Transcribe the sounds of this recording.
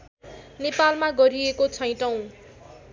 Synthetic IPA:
nepalmaɡʌɾiekot͡sʰʌj̃ʈʌw̃

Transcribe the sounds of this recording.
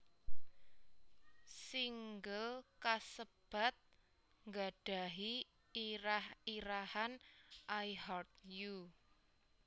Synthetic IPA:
siŋɡəlkasəb̥a̤t̪̚ | ŋɡa̤ɖ̥a̤ɦi | ɾahiɾahanʔajɦart̪̚ju

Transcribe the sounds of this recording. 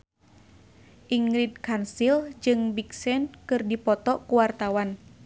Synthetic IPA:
ʔiŋɾid̚kansild͡ʒɨŋbiksɛnkɨrdipɔt̪ɔkuwart̪awan

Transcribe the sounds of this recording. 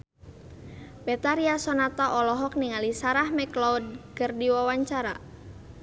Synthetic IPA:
bɛt̪aɾiasɔnat̪aʔɔlɔɦɔk̚niŋalisaɾahmɛklɔud̪̚ɡərdiwawaɲt͡ʃaɾa

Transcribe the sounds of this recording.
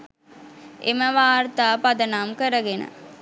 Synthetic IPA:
ḛməʋaːrt̪aːpad̪ənaːmkəɾəɡenə̰

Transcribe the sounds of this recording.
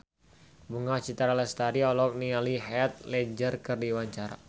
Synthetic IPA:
buŋat͡ʃit̪aɾaləst̪aɾiɔlɔk̚nialiɦɛt̪̚lɛd͡ʒərkərdiwaɲt͡ʃaɾa̰

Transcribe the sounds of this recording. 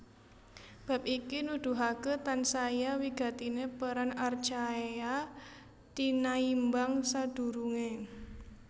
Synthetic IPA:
b̥a̤p̚ikinud̪̥ṳɦaket̪ansajawiɡ̥a̤t̪inepəɾanart͡ʃaea | t̪inaimbaŋsad̪̥ṳɾuŋe

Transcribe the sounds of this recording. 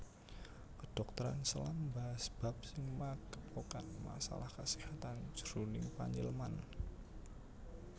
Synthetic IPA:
kəd̥ɔk̚t̪əɾa̰nsəlambaɦasb̥a̤p̚sɪŋmakəpokanma̰sa̰lahkəsihat̪and͡ʒ̥ɾunɪŋpaɲilman

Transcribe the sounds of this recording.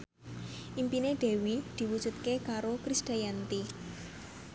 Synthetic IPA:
ʔimpineɖ̪̥e̤wid̪̥i̤wud̥ʒ̥ṳt̪̚kekaɾokɾisd̥ajant̪i

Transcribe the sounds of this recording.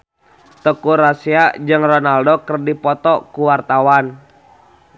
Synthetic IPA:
t̪əkuɾasiad͡ʒɨŋrɔnaldokərdipɔt̪ɔkuwart̪awan

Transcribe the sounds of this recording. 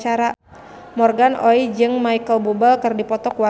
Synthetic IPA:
t͡ʃaɾa | mɔrɡanɔid͡ʒɨŋmaikəlbubəlkərdipɔt̪ɔkwa

